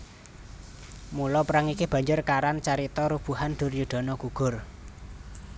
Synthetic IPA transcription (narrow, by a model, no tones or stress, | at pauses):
mulɔpəɾaŋikeb̥ä̤ɲd͡ʒʊrkaɾant͡ʃaɾit̪ɔɾub̥ṳhand̪̥ʊ̤rjuɖ̪̥ɔ̤nɔɡ̥uɡ̥ʊ̤r